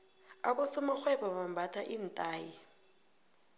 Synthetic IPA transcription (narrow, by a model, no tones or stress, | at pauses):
a̰bɔsʊmak͡xwɛbɔβam̩batʰʼaʔin̩tʼaːji